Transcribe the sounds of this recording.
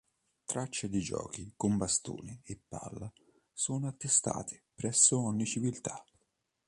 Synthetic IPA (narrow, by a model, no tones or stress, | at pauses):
t̪ɾat͡ʃːed̪id͡ʒɔ̰ːkikombast̪ṵːnɪːpːa̰lːa | soːnoat̪ːest̪a̰ːt̪ʰɪ̥pɾɛsːʊɔɲːit͡ʃivilt̪a